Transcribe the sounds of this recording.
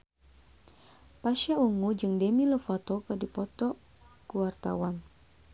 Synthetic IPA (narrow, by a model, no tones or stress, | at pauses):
paʃauŋud͡ʒɨŋdemiləfɔt̪ɔkədipɔt̪ɔ | kuwart̪a̰wan